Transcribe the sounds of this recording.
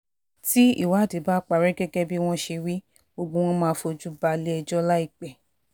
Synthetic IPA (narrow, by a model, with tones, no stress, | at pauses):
ti˦ḭ˦˨wa˨˦˨de˨˦ba˦k͡pa˨ɾɛ˦ɡɛ˦ɡɛ˦bi˦w̃ɔ̃˦ʃe˧wi˦ | bo˧ɡ͡bõ˦w̃ɔ̃˦mãː˦˧fo˧d͡ʒu˦ba˧li˦ɛ˧d͡ʒɔ˦la˦i˦˨k͡pɛ˨